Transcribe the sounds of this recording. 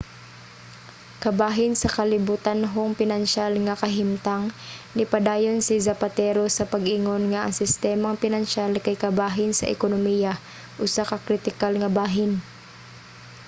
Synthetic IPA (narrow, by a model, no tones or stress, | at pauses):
kɐbaːɦɪnsɐkɐlɪbut̪anɦoŋpɪnanʃalŋakɐɦɪmt̪aŋnɪpɐd̪aːjonsɪzɐpat̪ɛːɾosɐpɐɡʔiŋonŋaʔɐ̰ŋsɪst̪ɛːmaŋpɪnanʃalkɐjkɐbaːɦɪnsɐ̰ʔɪ̰konomiːja | ʔʊsakɐkɾɪt̪ɪkalŋɐbaːɦɪn